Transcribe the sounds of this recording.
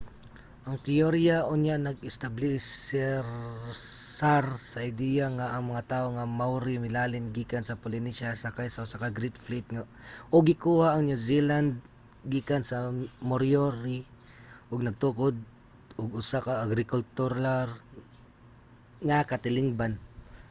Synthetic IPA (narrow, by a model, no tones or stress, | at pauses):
ʔɐŋt̪ɪoɾjaʔʊnjanɐɡɪst̪ablɪsɛɾ | saɾsɐʔɪd̪ijaŋaʔːŋmɐŋat̪aːʔoŋamawɾɪmɪlaːlɪnɡiːkansɐpʊlɪniʃasakajsaʔʊsakaɡɾit̪̚flit̪̚ŋa | ʔoɡɪkuːhaʔɐŋnjusiland̪̚ | ɡikansɐmoɾjoɾi | ʔʊɡ̚nɐɡ̚t̪ukod̪̚ | ʔʊɡʊsakaʔaɡɾɪkʊlt̪ʊɾaɾ | ŋakat̪ɪlɪŋban